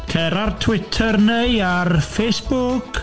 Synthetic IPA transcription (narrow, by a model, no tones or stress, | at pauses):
kʰɛɾartʰwɪtʰərnejarfejsb̥ʊk